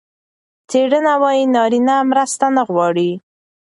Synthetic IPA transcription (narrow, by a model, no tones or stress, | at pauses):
t͡seɽənawɑjinɑɾinamɾəst̪anəɣwɑɽi